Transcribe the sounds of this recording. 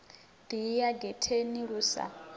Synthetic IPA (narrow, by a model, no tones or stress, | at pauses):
d̪ijaɡɛtʰeniɺuːsa̰